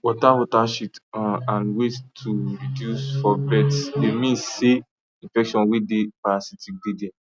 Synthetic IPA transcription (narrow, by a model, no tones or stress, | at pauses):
wɔtawɔtaʃitãnwettʰuɹidjusfɔbɛtsdemĩnse | ĩnfɛkʃɔ̃nwedepaasitik̚dede